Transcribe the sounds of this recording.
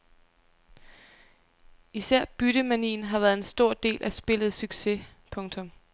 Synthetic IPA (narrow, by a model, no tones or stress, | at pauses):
isæɐ̰b̥yɾ̥əmænḭːn̩ɦɑ̈ʋæɐðˠensd̥o̝ɐ̰d̥e̝̰ːlʔæsb̥e̝lð̞̩ˠsyɡ̥se̝pʰɔ̽ŋt͡sʰɔ̽m